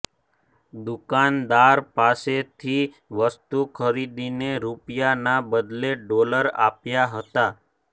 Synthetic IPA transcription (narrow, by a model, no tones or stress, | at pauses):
d̪ʊkand̪aɾpaset̪ʰi | ʋəst̪ukʰəɾid̪ineɾupjanabəd̪leɖoləɾa̰pjaɦət̪a